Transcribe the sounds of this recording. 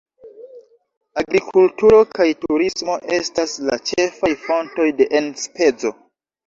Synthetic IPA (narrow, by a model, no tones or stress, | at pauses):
aɡɾikʰultuɾo̞kajtuɾismo̞ʔe̞stasla̰t͡ʃe̞fajfo̞nto̞jde̞ʔenspe̞d͡zo̞